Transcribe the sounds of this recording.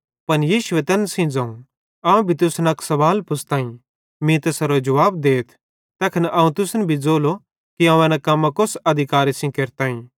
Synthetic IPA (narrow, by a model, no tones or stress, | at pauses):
pɐnjiːʃʊet̪ɛːnsĩd͡zãũ | aũbʱit̪ʊsnɐksɐʋaːlpʊsʰt̪ãːĩ | mĩt̪ɐsɐɾod͡ʒɐʋaːbd̪eːt̪ʰ | t̪ɛːkʰɐnʔɐ̃ːũt̪ʊsnbʱid͡zoːlo | kiɐ̃ũɛ̃ːnãkɐmːãkosɐd̪ʱɪkaːɾisĩkeɾt̪aːĩ